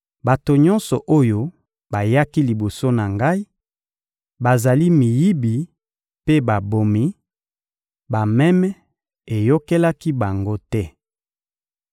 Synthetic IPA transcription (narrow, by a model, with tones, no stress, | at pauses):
ba˨to˨ɲɔ̃˦nsɔ˨ʔo˦jo˦ | ba˨ja˦ki˦li˨bo˨so˦na˨ŋɡa˦i˦ | ba˨za˨li˦mi˨ji˦bi˨ | pe˦ba˨bo˨mi˦ | ba˨mɛ˦mɛ˦ | e˨jo˦ke˦la˦ki˦ba˨ŋɡo˦tɛ˦